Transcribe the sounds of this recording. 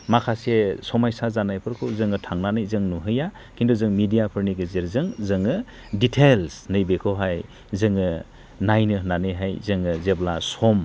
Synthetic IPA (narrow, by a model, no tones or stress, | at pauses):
makʰasesɔmajsazanajpʰɯɾkʰɯwzɯŋɯtʰaŋnanɯjzɯŋnuɦɯja | kindɔzɯŋmidijapʰɯɾniɡɯzeɾzɯŋzɯŋɯ | ditʰelsnɯjbekʰɔɦaj | zɯŋɯ | najnɯɦnanɯjɦajzɯŋɯzeblasɔm